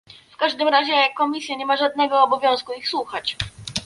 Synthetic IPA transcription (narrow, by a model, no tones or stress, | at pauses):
fkaʐd̪ɘmɾaʑɛkːɔmʲisʲjaɲɛmaʐad̪nɛɡɔːbɔvʲjɔ̃w̃skuixswuxat͡ɕ